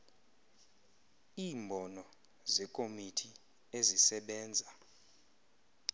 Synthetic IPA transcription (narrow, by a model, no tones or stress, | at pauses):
iːmbʱɔnɔ | zɛkʼomitʰi | ezisɛɓɛːnd͡zʱa